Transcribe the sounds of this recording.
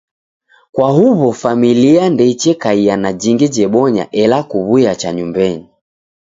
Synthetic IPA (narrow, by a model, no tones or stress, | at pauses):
kwahuβɔfamiliandɛit͡ʃɛkaianad͡ʒiŋɡɛd͡ʒɛɓɔɲa̰ʔɛlakuβujat͡ʃaɲumbɛni